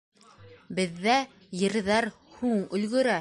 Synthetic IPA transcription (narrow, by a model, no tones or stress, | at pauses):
bɘ̆ðːæ | jɤ̆ɾðɑɾ | huɴɵ̆lɡɵ̆ɾæ